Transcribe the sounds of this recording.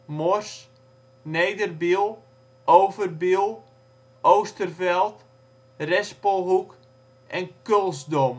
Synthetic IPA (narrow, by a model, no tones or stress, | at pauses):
mɔrs | nejdərbilˠ | ʔowvərbilˠ | ʔowstərvɛlˠt | rɛspɔlˠɦuk | ʔɛnkølˠzdom